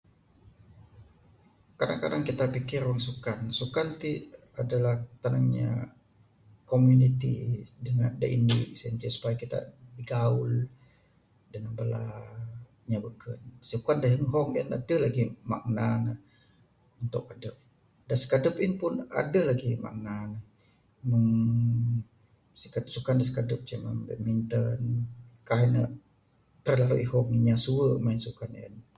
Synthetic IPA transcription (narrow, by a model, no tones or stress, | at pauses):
kadaŋka̰daŋkit̪apikɪrwaŋsukansukant̪i | adalaht̪anaŋɲa̰ | komjunit̪ḭdəŋandə̰ʔḭnḭʔsəənɲd͡ʒəsu̥pajakit̪a̰diɡaul | dəŋanbəla̰ | ɲabəkənsəkuandaɦəŋɦɔŋina̰dəlaɡima̰ʔ̚nanəh | unt̪ʊk̚adəp̚ | dasə̥kadəpinpʊna̰dəlaɡima̰ʔ̚nanəh | məŋ | səkat̪sukandəsə̥kadəp̚d͡ʒamambə̰mint̪ənkaɦinə | t̪ərlaluʔiɦɔŋiɲasuəmansukanḭn